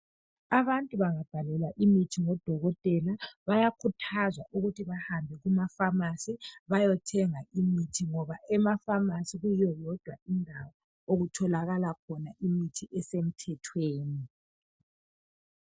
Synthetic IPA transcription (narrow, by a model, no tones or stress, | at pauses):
aβantʼuβaŋab̥ʱalɛlwaʔimitʰiŋɔd̥ʱɔɣɔtʼɛlaβajakʰutʰazwaʔuɣutʰiβahambʱɛɣumafamasiβajɔtʰɛŋaʔimitʰiŋɔβaɛmafamasiɣujɔjɔd̥ʱwaiŋʱawɔ | oɣutʰɔlaɣalakʰɔnaʔimitʰiʔɛsem̩tʰɛtʰweːni